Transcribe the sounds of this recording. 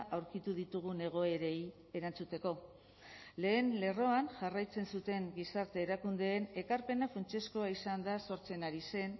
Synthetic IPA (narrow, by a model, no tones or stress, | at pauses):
ʔawɾkit̪uð̞it̪uɣ̞une̞ɣ̞o̞e̞ɾe̞j | e̞ɾant͡sut̪e̞ko̞ | le̞ːnle̞ro̞anʝarajt͡se̞nsut̪e̞ŋɡisaɾt̪e̞ːɾakund̪e̞ːne̞kaɾpe̞nafunt͡ʃe̞sko̞aisand̪aso̞ɾt͡se̞naɾise̞n